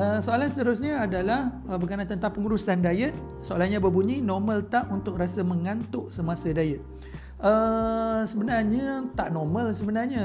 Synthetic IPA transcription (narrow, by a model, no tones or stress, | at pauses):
ʔəsoalansət̪əɾus̬ɲaːdalah | əbəɡanãnt̪ənt̪aŋpəŋuɾusandajət̪̚ | soalanɲãbəbuɲinɔmə̃lt̪aʔunt̪ʊk̚ɾasəmə̃ŋant̪ʊʔsəmasədajət̪̚ | ʔə | səbənarɲat̪aʔnɔmə̃lsəbənarɲa